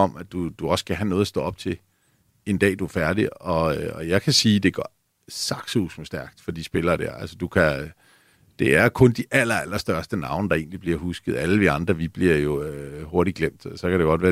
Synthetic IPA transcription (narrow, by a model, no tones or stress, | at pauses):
ɒ̽mæd̥ud̥uɒ̽skʰæɦænɔ̽ːð̩ˠɐsd̥ɔ̽ːɒ̽b̥̚t͡sʰe̝l | e̝nd̥ɛ̰ːd̥uæɐfæɐɾiɒ̽ɒ̽jɑ̈ɪkʰæsiːd̥e̝ɡ̥ɶ | sɑ̈ɡ̥susm̩sd̥æɐɡ̥d̥fɒ̽d̥isb̥e̝lɐːd̥æ̰ɐælsəd̥ukʰæ | d̥e̝æɐkʰɔ̽nd̥iʔæl̰ɐælɐsd̥ɶɐsd̥ənɑ̈ʊnəd̥ɑ̈e̝ːnlib̥liɐɦusɡ̥əð̞̩ˠæləʋ̥iɑ̈nd̥ʁɐʋib̥liɐ̰jo̝øho̝ɐɾiɡ̥lem̰d̥sɒ̽kædɾe̝ɡ̥ɒ̽d̥ʋæː